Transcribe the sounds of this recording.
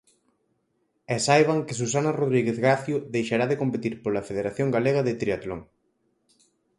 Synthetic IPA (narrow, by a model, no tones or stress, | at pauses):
ɛsajβaŋkɪsus̬anaroðɾiɣeθɣaθjʊðejʃaɾaðekompet̪iɾpolafeðeɾaθjoŋɡaleɣɐðɪt̪ɾiat̪loŋ